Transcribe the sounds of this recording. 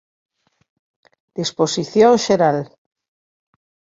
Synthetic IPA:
d̪̥isposiθjõŋʃeɾal

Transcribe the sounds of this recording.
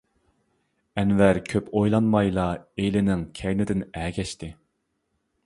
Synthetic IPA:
ɛnvæɾkʲʰøpojlˠɑnmɑjlˠɑelɪnɪŋkʲʰɛɾnɪd̪ɪnɛːkʲʰɛʃt̪ɪ

